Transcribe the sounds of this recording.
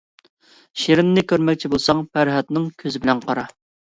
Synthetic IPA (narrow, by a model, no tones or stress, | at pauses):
ʃeɾɪnːɪkʲøɾmɛk̚ʲt͡ʃʰibolˠsɑŋpʰæɾɦɛt̪nɪŋkʲʰøzɪbɪlɛnqʰɑɾɑ